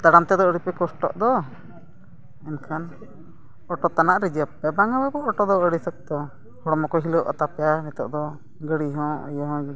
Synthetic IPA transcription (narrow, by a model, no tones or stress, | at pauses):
t̪aɽamt̪ɛd̪ɔəɽipɛkɔsʈɔ̰ʔd̪ɔ | ɛnkʰan | ɔʈɔt̪anaʔɾid͡ʒəpːɛbaŋababɔɔʈɔd̪ɔəɽisək̚d̪ɔ | hɔɽɔmɔkɔɦiləʔɔ̰t̪apɛjanɛt̪ɔʔd̪ɔ | ɡəɽiɦɔ̃ə̰jəɦɔ̃